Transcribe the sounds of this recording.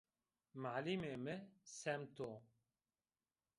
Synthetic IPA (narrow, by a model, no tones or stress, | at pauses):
maʕlimeːmɨsɛmt̪o